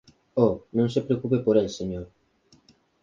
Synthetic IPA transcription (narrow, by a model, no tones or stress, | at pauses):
ɔnõŋsepɾeokupepoɾelseɲoɾ